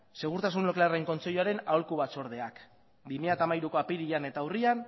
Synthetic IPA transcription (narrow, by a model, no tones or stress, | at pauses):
se̞ɣ̞uɾt̪asunlokelareŋko̞nt͡se̞ʎuaɾe̞naolkuβat͡so̞ɾð̞e̞ak | bimiʎat̪aːmajɾuko̞apiɾiane̞t̪awrian